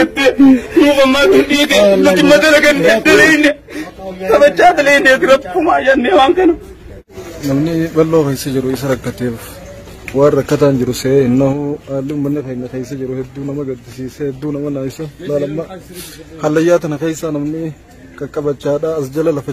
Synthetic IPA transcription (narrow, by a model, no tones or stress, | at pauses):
ɛt̪ːenuːfɐmːaːkʊnɗiːkeʊlːɐd͡ʒɪmːɐt̪ɐlɐɡɐnːɛd̪ɐleɪnːɛ | kʼɐbɐt͡ʃːaːt̪ɐlejɪnːeːt̪ɪɾɐfʊmaːjɐnːewaːŋkɐnɐ | nɐmnɪbɐlːoːkejsɐd͡ʒɪɾʊɪs̬ɐɾɐkːɐt̪eːf | waːrɐkːɐt̪aːnd͡ʒɪɾʊsehɪnːɐhʊaːlːɪʊmːɐnːɪkejnːɐkeːjs̬ːɐd͡ʒɪɾʊhɛd̪ːuːnɐmɐɡɐd̪ːɪsiːsɛhɛd̪ːuːnɐmɐnaːɪsɐlaːlɐmːɐ | hɐlːɐjːaːt̪ɐnɐkeːjsːɐnɐmnɪ | kɐkʼɐbɐt͡ʃːaːᶑaːɐsd͡ʒɐlɐlɐfɐ